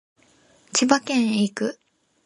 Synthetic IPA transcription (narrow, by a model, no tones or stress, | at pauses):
t͡ɕibakẽ̞ɰ̃ikɯ